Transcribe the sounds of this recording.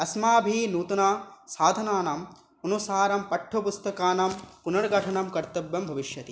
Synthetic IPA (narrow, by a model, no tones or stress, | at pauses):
ɐsmaːbʱinuːt̪ɐnaːsaːd̪ʱɐnaːnɐm | ɐnusaːɾɐmpɐʈʰːɐpust̪ɐkaːnɐmpunɐɾɡʱɐʈʰɐɳɐmkɐɾt̪ɐbjɐmbʱɐʋiʃjɐt̪i